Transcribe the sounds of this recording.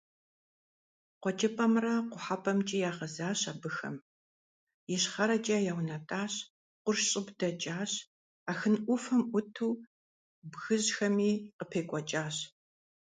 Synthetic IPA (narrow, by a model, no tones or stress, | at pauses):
qʷɔt͡ʃʼɐpʼɐmrɐqʷʊħapʼɐmt͡ʃʼijaːʁɐzaːɕaːbɨxɐ̰m | jɪɕχɐɾɐt͡ʃʼɐjawnɐtʼaːɕ | qʷʊrʃɕʼɪbdɐt͡ʃʼaːɕ | aːxɨnʔʷʊfɐmʔʷʊtʰuː | bɣɨʑxɐmiːqəpʰeːkʷʼɔt͡ʃʼaːɕ